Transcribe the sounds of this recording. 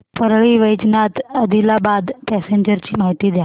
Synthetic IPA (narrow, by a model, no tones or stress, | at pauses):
pəɾɭiːʋəjt͡ɕnat̪əd̪ʱilabad̪pɛseɲd͡ʑəɾt͡ɕiːmaɦit̪iːd̪ja